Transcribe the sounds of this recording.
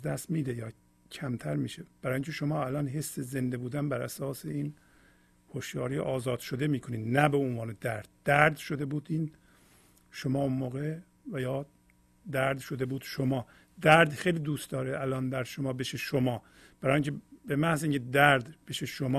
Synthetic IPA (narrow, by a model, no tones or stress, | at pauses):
zd̪æst̪miːd̪ejɒː | cʰæmt̪ʰæɾmiːʃeb̥æɾɒːjiŋcʰeʃomɒːælɒːnɦesːeze̞nd̪e̞buːd̪ænbæɾʔæsɒːseiːn | hoʃjɒːɾiʔɒːzɒːd̪̥ʃod̪e̞miːkʰo̞niːd̪næbeonvɒːned̪æɾd̪̥̚ːæɾd̪ʃod̪e̞buːd̪iːn | ʃomɒːonmoːɣe | væjɒː | d̪æɾd̪ʃod̪e̞buːd̪̥ʃomɒː | d̪æɾd̪xejliːd̪uːst̪d̪ɒːɾeælɒːnd̪æɾd̪ʃomɒːbeʃeʃomɒː | b̥æɾɒːjiŋcʰebemæhziːŋcʰed̪æɾd̪b̥eʃeʃomɒː